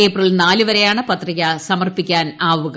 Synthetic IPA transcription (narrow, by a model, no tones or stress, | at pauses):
e̞ːprɐlnaːlɨʋɐɾe̞jaːɳɨpɐt̪rɐɣɐsɐmɐrpikʲːaːnaːʋuɣɐ